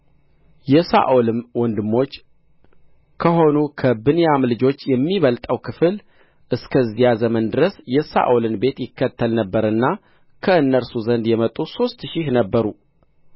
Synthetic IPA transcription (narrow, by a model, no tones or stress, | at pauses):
jɛsa̰ʔolɨmwɔnd̪ɨmːo̞t͡ʃː | kʰəɦo̞nukʰəbɨnjamlɨd͡ʒo̞t͡ʃːjɛmːiβəlt̪ʼəwkʰɨfɨl | ʔɨskʰəzijazəmənd̪ɨɾəsjɛsa̰ʔolɨnbe̞t̪jɪkːət̪ʰːəlnəbːəɾɨnːa | kʰəɨnːəɾsuzənd̪jɛmət̪ʼuso̞st̪ʃɪhnəbːəɾu